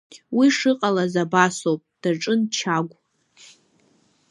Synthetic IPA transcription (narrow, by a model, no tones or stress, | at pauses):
wiʂɨqʼalazabasowpʼd̥aʈ͡ʂʼɨnt͡ʃʰaɡʷʼ